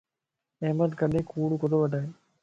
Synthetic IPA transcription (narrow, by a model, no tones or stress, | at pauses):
eməd̪kəɗẽːkuːɽukəd̪oːʋəɖʱaːɦeː